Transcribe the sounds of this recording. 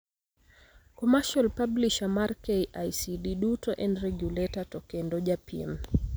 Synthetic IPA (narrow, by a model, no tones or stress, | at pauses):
kɔmaʃalpabliʃamaɾkejʔajsidiɗutɔʔɛ̃ndɾɛɡjulɛtatɔkɛndɔʄapʰḭm